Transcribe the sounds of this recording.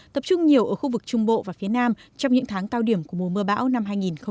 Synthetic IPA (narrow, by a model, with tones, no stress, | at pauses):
t̪ə˨˩p̚t͡ɕʊ˧ŋ͡mɲi˨˩əwʔəː˧˩xu˧vɨ˨˩k̚t͡ɕʊ˧ŋ͡mɓo̰˧˨vaː˨˩fi˨˦ənaː˧mt͡ɕɔ˧wŋ͡mɲɨ̰˧˥ŋt̪ʰaː˨˦ŋt̪aː˧wɗi˧˩əmku˧˩əmo˨˩mɨ˧əɓa̰ː˧˥wna˧mɦaː˧jŋi˨˩nxə˧